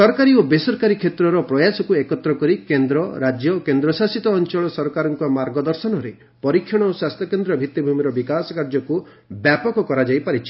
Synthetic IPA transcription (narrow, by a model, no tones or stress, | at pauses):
sɔɾkaɾiobesɔɾkaɾikʰet̪ɾɔɾɔpɾɔjasɔkuekɔt̪ɾɔkɔɾikend̪ɾɔɾad͡ʒjɔkend̪ɾɔsasit̪ɔːnt͡ʃɔɭɔsɔɾɔkaɾɔŋkɔmaɾɡɔd̪ɔɾsɔnɔɾe | pɔɾikʰːjɔɽ̃ɔoswast̪ʰjɔkend̪ɾɔbʱit̪ːibʱumiɾɔbikasɔ̥kaɾd͡ʒɔku | bjapɔkɔkɔɾad͡ʒajpaɾit͡ʃʰi̥